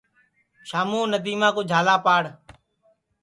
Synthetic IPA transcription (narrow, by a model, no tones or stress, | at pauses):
ʃaːmuːnət̪iːmãːkoːd͡ʒʱaːlaːpaːɽ